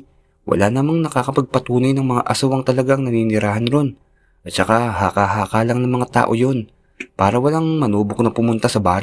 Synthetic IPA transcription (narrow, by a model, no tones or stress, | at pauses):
wɐ̰laːnɐmaŋnɐkakɐpɐɡ̚pɐt̪uːnɐjnɐŋmɐŋa̰ʔɐsʊwɐŋt̪ɐlɐɡaŋnɐninɪɾaːhɐnɾo̞n | ʔɐt̪t͡ʃɐkahaːkaɦaːkaːlɐŋnɐŋmɐŋat̪a̰ːʔo̞jo̞n | paːɾɐwɐlaŋmɐnuːbok̚nɐpʊmʊnt̪asɐbaːɾ